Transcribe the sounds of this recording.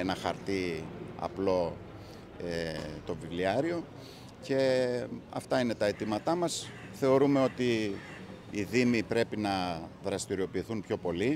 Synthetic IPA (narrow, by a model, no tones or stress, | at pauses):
nɐxɐ̰ɾt̪iɐ̰plo̞ | et̪o̞vivliɐɾio̞ | ce̞ɐ̰ft̪ɐine̞t̪ɐe̞t̪imɐt̪ɐmɐs | θe̞o̞ɾume̞o̞t̪i | iðimipɾe̞pinɐðɾɐst̪iɾio̞piːθunpço̞po̞li